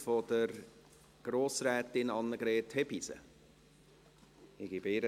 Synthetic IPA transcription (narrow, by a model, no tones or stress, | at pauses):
fod̪̥əɾ | ɡ̥ɾoːsɾɛːt̪ɪnɑnːəɡ̥ɾɛːt̪hɛbisə̰ | ɪɡ̥ibɪɾə